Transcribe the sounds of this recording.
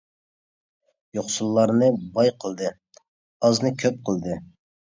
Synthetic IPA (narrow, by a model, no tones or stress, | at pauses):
joχsulˠːɑɾnɨbɑjqʰəlˠd̪ɨ | ɑznɨkʲʰøp̚qʰəlˠd̪ɨ